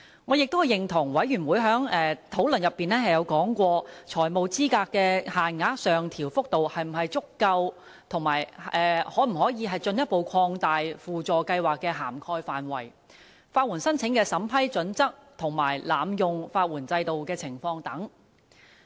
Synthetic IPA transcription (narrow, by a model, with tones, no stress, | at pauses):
ŋɔː˨˧jɪ˨k̚t̪whɐ˨˩jɪ˨ŋt̪ʰʊ˨˩ŋwɐ˨˥jɥyː˨˩nwuː˨˧jɦœː˨˥ŋɛː˨˧t̪ʰo˨˥wlɵ˨˩njɐ˨˩pːiː˨nɛː˥hɐ˨jɐ˨˧wkɔː˨˥ŋkʷɔː˧t͡ʃʰɔː˨˩jmo˨wt͡siː˥kaː˧kkːɛː˧haː˨nŋaː˨˥k̚sœː˨ŋt̪ʰiː˨˩wfʊ˥k̚t̪o˨whɐ˨jm̩˨˩ɦɐ˨jt͡sʊ˥kːɐ˧w | t̪ʰʊ˨˩ŋmaː˨˩jɛː˨˧hɔː˨˥m̩˨˩ɦɔː˨˥jiː˨˧ɦɐ˨jt͡sɵ˧njɐ˥t̚po˨˧wkʷʰɔː˧ŋt̪aː˨jfuː˨t͡sɔː˨kɐ˧jwaː˨kːɛː˧ɦaː˨˩mkʰɔː˧jfaː˨nwɐ˨˩j | faː˧t̚wuː˨˩nsɐ˥nt͡sʰɪ˨˥ŋkɛː˧sɐ˨˥mpʰɐ˥jt͡sɵ˨˥nt͡sɐ˥k̚t̪ʰʊ˨˩ŋmaː˨˩jlaː˨mjʊ˨ŋfaː˧t̚wuː˨˩nt͡sɐ˧jt̪o˨wkɛː˧t͡sʰɪ˨˩ŋfɔː˧ŋt̪ɐ˨˥ŋ